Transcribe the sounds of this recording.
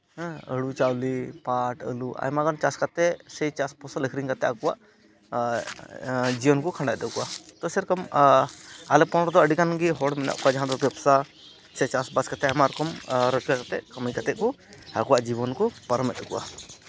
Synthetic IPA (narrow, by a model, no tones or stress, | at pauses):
əɽut͡ʃawlipaʈə̰lua̰jmaɡɔnt͡ʃaskat̪ɛsɛjt͡ʃaspɔsaləkʰɾiŋkat̪ɛakɔwa̰ʔ | d͡ʒijɔnkɔkʰãɳɖajd̪ɔkɔʔat̪ɔsɛɾɛkɔm | alɛpɔnɾɔd̪ɔəɖikanɡiɦɔɽmɛna̰ʔkɔad͡ʒaɦãd̪ɔt̪ɛbsa | sɛt͡ʃasbaskat̪ɛamaɾɔkɔmɾɔt͡ʃkakat̪ɛ̰ʔkamijkat̪ɛʔkɔ | akɔwaʔd͡ʒibɔnkɔpaɾɔmɛt̪̚d̪ɔkṵʔa̰